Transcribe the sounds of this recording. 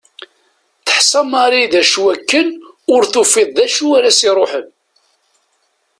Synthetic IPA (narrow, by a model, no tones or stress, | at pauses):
θə̥ħsɑmɑɾiðæʃwækːən | ʊɾθʊfɪðˤðæʃuæɾæsiɾˤoħəm